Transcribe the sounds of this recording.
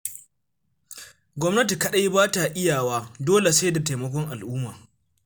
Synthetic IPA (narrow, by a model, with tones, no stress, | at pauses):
ɡʷɔ˦mnɐ˦ti˨kɐ˦ɗa˦ji˦baː˦ta˨ʔɪ˦jaː˨waː˦doː˦le˨sa˦jda˨ta˨mɐ˦k̬ʷɔ˦ŋʔa˨lʔʊuː˦maː˨